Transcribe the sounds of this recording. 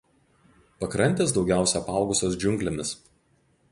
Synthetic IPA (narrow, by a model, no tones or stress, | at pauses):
pɐkɾɐnʲˑt̪ʲeːs̬d̪ɒʊɡʲæˑʊsʲɛɐpɑˑʊɡʊsʲoːsd͡ʒʲʊŋʲklʲemʲɪs